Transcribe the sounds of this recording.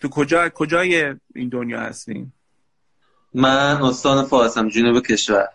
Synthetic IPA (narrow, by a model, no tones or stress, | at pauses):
t̪ʰukʰod͡ʒɒːkʰod͡ʒɒːjeḭːnd̪onjɒ̰ːhæ̰st̪ḭːm | mænost̪ɒːnefɒːɾsæmd͡ʒonubekʲʰeʃvæɾ